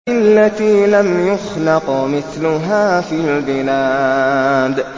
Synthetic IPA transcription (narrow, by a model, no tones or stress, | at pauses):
ɪlːat̪iːlamjʊxlɑqmɪθlʊɦaːfiːlbɪlaː | d̪